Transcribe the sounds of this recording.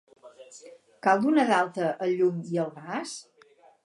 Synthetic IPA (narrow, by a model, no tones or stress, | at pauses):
kalˠd̪unaðalˠt̪əʔəʎumiəlˠɣas